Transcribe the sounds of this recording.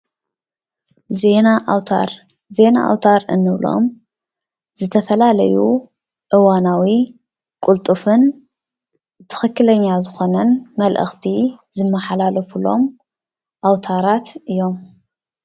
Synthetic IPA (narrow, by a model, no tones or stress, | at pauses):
zenawt̪ʰaɾ | ze̞na̰ʔa̰wt̪ʰaɾɨnːɨβlo̞̰m | z̥ɨt̪ʰɐfɐlalɐ̰ju | ʔɨwanawi | kʼult̪ʼɨfɨn | t̪ʰɨ̥xɨkːɨlɐɲːazɨxo̞nɐnmɐlʔɨ̰xt̪ʰizɨmːɐħalalɐfulo̞̰m | ʔawt̪ʰaɾat̪ʔɨjo̞m